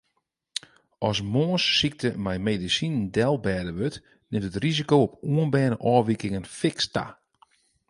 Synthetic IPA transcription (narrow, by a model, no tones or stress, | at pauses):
ɔs̬moːnsːik̚tʰəmɛjmeːdisinndɛlˠbɛːdəʋøt | nɪmtətrizikoopuənbɛːnəʔɔːʋikɪŋənfɪksta̰